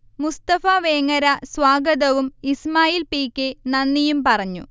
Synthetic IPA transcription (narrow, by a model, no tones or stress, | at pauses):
must̪ɐfɐʋeːŋːɐɾɐswaːɡɐðɐʋumismaːjiːlpiːkːenɐnːijumpɐrɐɲːṵ